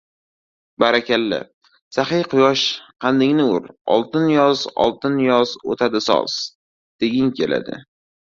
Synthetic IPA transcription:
baɾakʲalːɪ̰ | saχɪjqʰʊjɒʃqʰɑnd̪ɪŋnɪʊ̰ɾɒ̰lˠt̪ɪnjɒzɒ̰lˠt̪ʰɪnjɒzot̪ʰad̪ɪsɒ̰lˠs | d̪̥eɡʲɪŋkʲʰe̞lʔa̰d̪ɪ̰

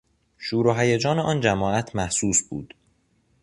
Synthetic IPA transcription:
ʃuːɾoɦæjed͡ʒɒːneʔɒːnd͡ʒæmɒːæt̪ʰmæhsuːsbṵːd̪̥

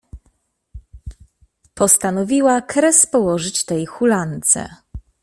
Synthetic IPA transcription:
pɔst̪anɔvʲiwakɾɛspɔwɔʐɘt͡ɕt̪ɛjxulant̪sɛ̰

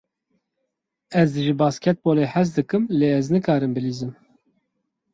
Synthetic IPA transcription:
ɛzd̪ɨʒɨbɑːskʲʰɛt̪̚boːleːħæzd̪ɨkɨmleːɛznɨkɑːɾɨmbɨliːzɨm

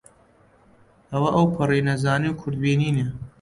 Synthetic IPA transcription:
hɐwɐʔɐwpʰɨriːnɐzaːniwkʰʊɾd̪̚biːniːne

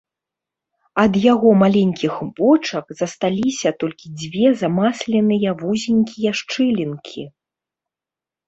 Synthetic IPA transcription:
ɐd̪jaɣɔmalʲɛnʲkʲixbɔt͡ʂɐkzɐst̪alʲisʲɐt̪ɔlʲkʲid͡zʲvʲɛzamaslʲɛnɨjɐvuzʲinʲkʲijɐʂt͡ʂɨlʲinkʲʰi

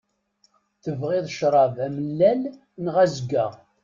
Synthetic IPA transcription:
θəvʁɪðˤʃɾˤɑvæməlːæl | nʁæzəɡæ

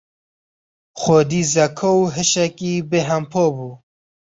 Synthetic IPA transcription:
xod̪iːzɐkʰowɦɨʃɛkiːbeɦɐmpʰoːbuː

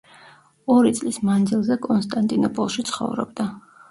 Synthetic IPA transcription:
ɔɾit̪sʼlismand̪zilˠzɛkʼɔnst̪ʼant̪ʼinɔpʼɔlˠʃit̪sʰχɔ̰vɾɔ̰bd̪a

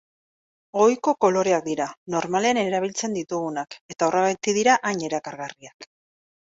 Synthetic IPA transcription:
ɣo̞jko̞ko̞lo̞ɾe̞ak̚d̪iɾano̞ɾmale̞ane̞ɾaβ̞ilt͡se̞nd̪it̪uɣunake̞t̪aoraβajt̪iðiɾaʔaɲe̞ɾakaɾɣariak

